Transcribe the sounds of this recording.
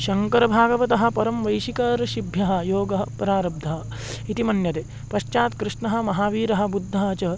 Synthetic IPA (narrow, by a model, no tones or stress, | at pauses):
ʃɐŋkɐɾɐbʱaːɡɐʋɐt̪ɐɦɐ̆pɐɾɐmʋɐjʃikɐɾɐʃibʱjɐɦɐ̆joːɡɐɦɐpɾaːɾɐb̚d̪ʱɐɦɐ | it̪imɐnjɐt̪eː | pɐʃt͡ʃaːt̪kɾɪʂɳɐɦɐ̆mɐɦaːʋiːɾɐɦɐ̆bud̪ʱːɐɦɐt͡ʃɐ